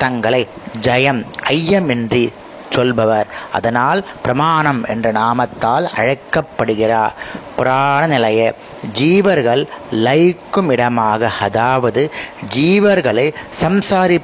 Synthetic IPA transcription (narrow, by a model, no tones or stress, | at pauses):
t̪ɐŋɡɐɭɐɪ | d͡ʒɐjɐmʔɐjːɐmɛndri | sɔlbɐʋɐɾʔɐ̰ðɐnaːlpɪɾɐmaːnɐmɛ̰ndrɐnaːmɐt̪ːaːlɐ̰ɻɐɪkːɐpːɐɽɯɣɪraːɾpʊɾaːnɐnɪlɐjɐ | d͡ʒiːʋɐɾɣɐɭːlɐɪkːɯmɪɽɐmaːɣɐɐðaːʋɐðɯd͡ʒiːʋɐɾɣɐɭɐɪsɐmsaːɾɪ